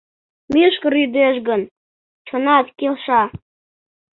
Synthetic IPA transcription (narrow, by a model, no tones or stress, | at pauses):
miʃkəɾyd̪eʃ̬ɡə̆n | t͡ɕʰonɑt̪kelʃɑ